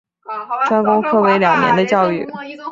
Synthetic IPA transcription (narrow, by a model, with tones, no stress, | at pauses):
ʈ͡ʂwa˥nkʊ˥ŋkʰɤ˥˩we˧˥ɪljɑ˨˩ŋnjɛ̰˧˥nd̪ə˧t͡ɕjɑ˥˧ʊy˥˩